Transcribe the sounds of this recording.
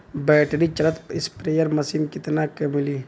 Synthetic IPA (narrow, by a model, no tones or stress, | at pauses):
bɛːʈɾit͡ʃɐɾət̪pɪspɾejəɾmɐsimkɪt̪nakəmɪli